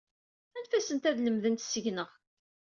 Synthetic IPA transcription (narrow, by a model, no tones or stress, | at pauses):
ænfæsənt̪æðləmðənt̪səʝnəʁ